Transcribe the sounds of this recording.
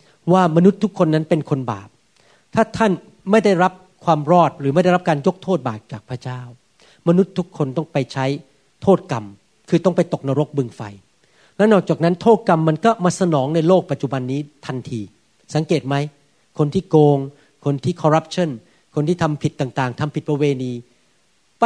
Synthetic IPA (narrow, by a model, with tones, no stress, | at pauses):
waː˥˩ma˧nu˦˥t̪ʰːu˦˥kʰːo˧nːa˦˥npe˧nkʰo˧nba̰ː˨˩p̚ | t̪ʰaː˥˩t̪ʰa˥˩n | ma˥˩jda˥˩jɾa˦˥p̚ | kʰwaː˧mɾɔː˥˩t̪̚ɾɯː˩˦ma˥˩jda˥˩ɾa˦˥kaː˧njo˦˥k̚t̪ʰoː˥˩t̪̚baː˨˩p̚t͡ɕaː˨˩k̚pʰɾa˦˥˩t͡ɕaː˥˩w | ma˧nu˦˥t̪ʰːu˦˥kʰːo˧nt̪ɔ˥˩ŋpa˧jt͡ɕʰa˦˥j | t̪ʰoː˥˩t̪̚ka˧m | kʰɯː˧t̪ɔ˥˩ŋpa˧jt̪o˨˩k̚na˧ɾo˦˥k̚bɯ˧ŋfa̰˧j | lɛ˦˥nɔː˨˩k̚t͡ɕaː˨˩k̚na˦˥nt̪ʰoː˥˩t̪̚ka˧mːa˧nkɔː˥˩maː˧sa˧nɔː˩˦ŋna˧jloː˥˩k̚pa˨˩t̪̚t͡ɕu˨ba˧nːiː˦˥t̪ʰa˧nt̪ʰiː˧ | sa˩˦ŋkeː˨˩t̪̚ma˦˥j | kʰo˧nt̪ʰiː˥˩koː˧ŋ | kʰo˧nt̪ʰiː˥˩kʰɔː˧ɾa˦˥p̚t͡ɕʰa˥˩n | kʰo˧nt̪ʰiː˥˩t̪ʰa˧mpʰi˨˩t̪ːaː˨˩ŋt̪aː˨˩ŋt̪ʰa˧mpʰi˨˩t̪̚pʰa˧weː˧niː˧